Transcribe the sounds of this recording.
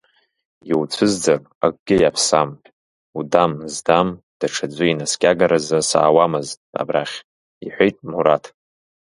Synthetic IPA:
jiwt͡sʷʰɨzd͡zar | a̰k̚ʼɡ̥ʲɪjapʰsam | udamzdam | d̥aʈ͡ʂʰad͡zʷɨinaskʲʼaɡaɾazɨsa̰ːwamɨztʼa̰braχʲ | iħʷejtʼmuɾatʰ

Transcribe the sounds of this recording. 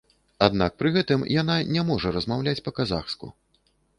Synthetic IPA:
ad̪nak̚pɾɨɣɛt̪ɨmjananʲɛmɔʐɐɾɐzmawlʲat͡sʲpɐkaza̰xskṵ

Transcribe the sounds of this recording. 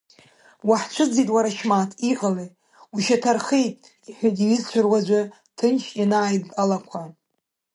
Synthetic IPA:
waħt͡ʃʷʰɨd͡zitʼwaɾaʃmatʰiqʼale | uʃatʰarχejtʼ | iħʷᶣatʼiizt͡ʃʷʰʊrwazʷa | tʰɨnʃjanaːjtʼalakʷʰa

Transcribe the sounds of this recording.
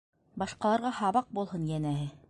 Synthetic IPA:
bɑʃqɑlˠɑɾʁɑhɑβɑq̚bulˠhɤnjænæɦɘ

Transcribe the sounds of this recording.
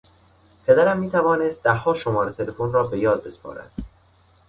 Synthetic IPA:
pʰe̞d̪æɾæmːiːt̪ʰævɒːnest̪̚d̪æɦːɒːʃomɒːɾet̪ʰe̞le̞fonrɒːbe̞jɒːd̪̚be̞spʰɒ̰ːɾæ̰d̪̥

